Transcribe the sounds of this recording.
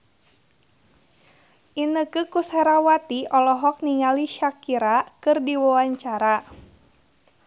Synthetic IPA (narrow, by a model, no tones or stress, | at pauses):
ʔinəkɨkusɛɾawat̪iɔlɔɦɔk̚niŋaliʃakiɾakɨrdiwawaɲt͡ʃaɾa